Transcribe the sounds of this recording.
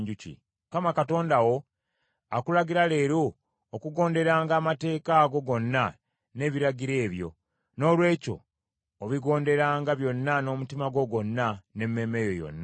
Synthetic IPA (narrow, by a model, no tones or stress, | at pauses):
ɲɟucḭ | kamakato̞ːndawo̞ | a̰kulaɡiɾale̞ːɾoː | kuɡo̞ːnde̞ɾaːŋɡaːmate̞ːkaːɡo̞ɡo̞nːa | ne̞ːβiɾaɟiɾe̞ːβjo̞̰ | no̞ːlwe̞ːco̞̰ː | βiɡo̞ːnde̞ɾaːŋɡaβjo̞nːano̞ːmutimaɡo̞ɡo̞nːane̞mːe̞ːme̞jo̞jo̰nːa